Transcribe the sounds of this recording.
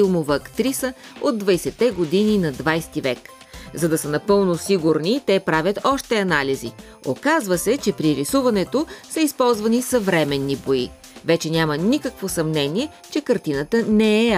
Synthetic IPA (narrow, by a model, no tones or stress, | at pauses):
ilˠmovɐːkt̪ɾisə | od̪̚ːvɐjsɛt̪ːɛɡod̪ininɐd̪vajst̪ivɛk | zɐd̪ɐsənɐpɤlˠnosiɡuɾnit̪ɛpɾavʲət̪ɔʃt̪ɛɐnalizḭ | o̰kazvəsɛt͡ʃɛpɾiɾisuvɐnɛt̪osɐispɔlˠzvɐnisɐvɾɛmɛnːiboḭ | vɛt͡ʃɛnʲamənikəkvosɐmnɛniɛ | t͡ʃɛkɐɾt̪inət̪ənɛɛ